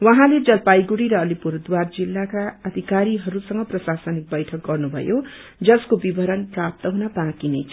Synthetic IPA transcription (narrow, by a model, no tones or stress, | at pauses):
wʌɦãled͡zʌlpajɡuɽiɾʌːlipuɾd̪ward͡zilːakaʌd̪ʱikaɾiɦʌɾusʌŋɡʌprʌsasʌnik̚bʌjʈʰʌk̚ɡʌrnubʱʌ̰jo | d͡zʌskobibʱʌɾʌnprap̚t̪ʌɦunabãkinʌjt͡sʰ